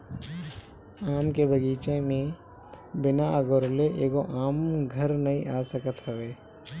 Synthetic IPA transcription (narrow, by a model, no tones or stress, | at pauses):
aːmkebʱəɡiːt͡ʃẽmẽ | bɪnaɐɡoːɾleʔeːɡoʔaːmɡʱəɾnɐɦĩʔaːsəkət̪ɦəʋeː